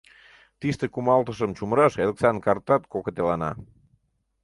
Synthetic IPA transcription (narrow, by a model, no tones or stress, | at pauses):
t̪ist̪əkumɑlˠt̪əʃəmt͡ɕumɾəʃelksɑnkɑrt̪ɑt̪kokət̪elɑnɑ̰